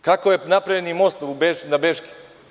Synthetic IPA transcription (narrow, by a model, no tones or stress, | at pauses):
kakojenapɾajenimost̪oubenabeʃki̥